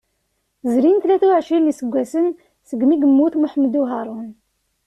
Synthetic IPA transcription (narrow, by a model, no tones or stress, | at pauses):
zɾinθlæθuʕʃinisəɡʷːæsən | səɡmiɡəmːuθmuħmːd̪uɦɑɾˤun